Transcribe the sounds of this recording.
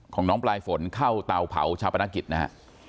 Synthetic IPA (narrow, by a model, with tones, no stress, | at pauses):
kʰɔː˩˦ŋnɔː˦˥ŋplaː˧jfo˩˦nkʰa˥˩wt̪a˧wpʰa̰˩˦wt͡ɕʰaː˧wpa˧na˦˥k̬ːi˨˩na˦˥a̰˥